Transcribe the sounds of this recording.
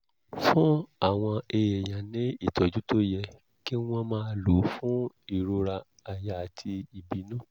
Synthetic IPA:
fũ˦a˦˨w̃ɔ̃˧e˧je˨jã˨nĩ˦i˦˨tɔ˨d͡ʒu˦to˦jɛ˧ | ki˦w̃ɔ̃˧mãː˧˦˧lo˨˦fũ˦ | i˦˨ɾo˧ɾa˧ | a˨ja˨a˨tʰi˧i˨bi˨˦nũ˦

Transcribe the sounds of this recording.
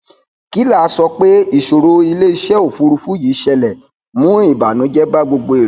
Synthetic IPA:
ki˦la˦˨˦sɔ˧k͡pe˦i˦˨ʃo˨ɾo˧˦i˧le˦i˦˧ʃɛ˦o˦˨fu˦ɾu˧fu˦ji˨˦ʃɛ˧lɛ˨ | mũ˨˦i˦˨ba˨nũ˨˦d͡ʒɛ˦ba˦ɡ͡bo˧ɡ͡bo˧e˨ɾ

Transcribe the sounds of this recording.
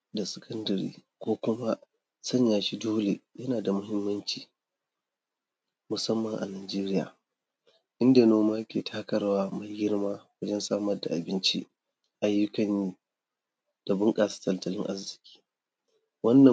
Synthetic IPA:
da˨sɪ˨kʰɐ˦ndɐ˨ɾḭː˦ | kʷoː˦kʷʊ˦ma˦ | sɐ˦ɲjaː˨ʃi˦doː˦le˨jɐ˦naː˨da˨mʊ˦ɦɪ˦mːɐ˦nt͡ʃiː˨ | mʊ˨sɐ˦mːɐ˨ŋʔa̰˨naː˨d͡ʒeː˦ɾɪ˦ja̰ː˨ | ʔɪ˦nda˨noː˦maː˦jkʲeː˨tʰaː˦kɐ˦ɾwaː˦ma˨jɡɪ˦ɽmaː˦wɐ˦d͡ʒɛ˦nsaː˦mɐ˦rda˨ʔa˨bɪ˦nt͡ʃḭ˦ | ʔa˦jːʊ˦kɐ˨nːiː˦ | d̥a˨bʊ˦ŋkʼaː˨sḁ˦tɐ˨ltɐ˨lɪ˦ŋʔa˦zɪ˨kʲi̥ː˦ | wɐ˦nːɐ˨

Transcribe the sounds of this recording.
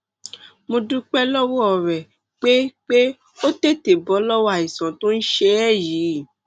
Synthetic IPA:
mõ˧dũ˦k͡pɛ˦lɔ˦wɔ˦ɔ˦˨ɾɛ˨ | k͡pe˦k͡pe˦ | o˦te˦˨te˨bɔ˨˦lɔ˦wa˦˨i˨sã˨to˦n̩˦ʃe˧˦ɛ˦˨ji˨˦˨

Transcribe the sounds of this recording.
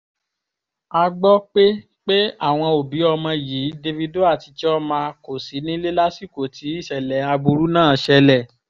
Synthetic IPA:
a˧ɡ͡bɔ˦k͡pe˦ | k͡pe˦a˦˨w̃ɔ̃˧o˨bi˨˦ɔ˧mã˧ji˨˦de˧vi˧do˦a˦˨ti˧t͡ʃɛ˦ɔ˦mãː˧ko˨si˨˦nĩ˦le˦la˦si˦˨ko˨ti˨˦i˦˨ʃɛ˨lɛ˨˦a˧bu˧ɾu˦nãː˦˨ʃɛ˧lɛ˦˨

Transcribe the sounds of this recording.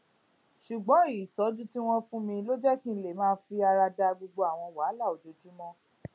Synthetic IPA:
ʃu˨ɡ͡bɔ̃˨˦iː˨tɔ˨˦d͡ʒu˦ti˦w̃ɔ̃˦fũ˦mĩ˧lo˦d͡ʒɛ˦kĩ˦˧˦le˨mãː˦fi˧a˧ɾa˧da˧ɡ͡bo˧ɡ͡bo˧a˨w̃ɔ̃˧wa˨˦la˦˨o˨d͡ʒo˨˧d͡ʒu˦mɔ̃˦

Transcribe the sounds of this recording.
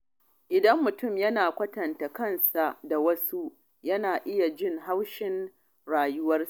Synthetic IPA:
ʔɪ˨dɐ˦mːʊ˨tʊ˦˨mjɐ˦naː˨kʷɐ˦tɐ˨nta˨kɐ˦nsa˨da˨wɐ˦su˦ | jɐ˦naː˨ʔɪ˦ja˨d͡ʒɪ˦˨ŋɦa˦wʃɪ˦n | ɽaː˨jʊ˦wɐ˦rsa˦˨

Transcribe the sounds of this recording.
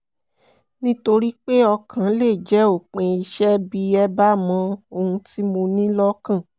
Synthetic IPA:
nĩ˦to˧ɾi˦k͡pe˦ɔ˧kʰã˨˦le˦˨d͡ʒɛ˨˦o˦˨k͡pẽ˧i˧ʃɛ˦bi˧ɛ˦ba˦mã˧˦o˧hũ˧ti˦mõ˧nĩ˦lɔ˦kã˦˨

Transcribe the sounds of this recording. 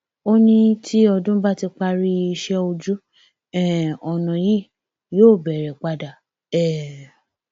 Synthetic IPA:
o˦nĩ˦tʰi˦ɔ˧dũ˦ba˦˨ti˧k͡pa˧ɾi˧i˧ʃɛ˧o˧d͡ʒu˦ | ɛ˦˨ɔ˨nã˨ji˦˨ | joː˦˨bɛ˨ɾɛ˨k͡pa˧da˨ | ɛ˦˨

